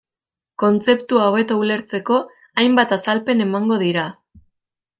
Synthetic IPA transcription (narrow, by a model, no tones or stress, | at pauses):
ko̞nt͡se̞pt̪uaoβe̞t̪oule̞ɾt͡se̞ko̞ | ajmbat̪asalpe̞ne̞maŋɡo̞ðiɾa